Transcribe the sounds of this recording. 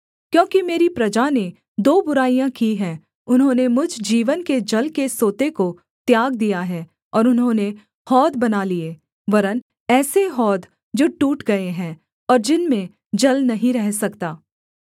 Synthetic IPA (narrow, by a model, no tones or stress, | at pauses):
kjõːkimeːɾipɾɐd͡ʒane | d̪oːbʊɾaːijãkiɦɛ̃ː | ʊnɦõːnemʊd͡ʒʱd͡ʒiːʋənked͡ʒɐlkesoːt̪eko | t̪jaːɡ̚d̪ijaɦɛː | ɔːɾʊnɦõːne | hɔːd̪bɐnalieː | ʋɐɾən | ɛːseɦɔːd̪ | d͡ʒoːʈuːʈɡɐeɦɛ̃ː | ɔːɾd͡ʒɪnmẽ | d͡ʒɐlnɐɦĩɾɛɦsɐkt̪aː